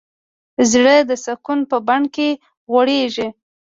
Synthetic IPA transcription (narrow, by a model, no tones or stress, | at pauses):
zɽəd̪əsakunpəbaɳke | ɣwaɽeʒi